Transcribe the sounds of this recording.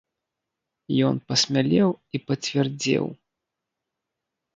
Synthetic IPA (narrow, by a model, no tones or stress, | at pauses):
jɔnpɐsʲmʲalʲɛwipɐt͡sʲvʲɛrd͡zʲɛ̰w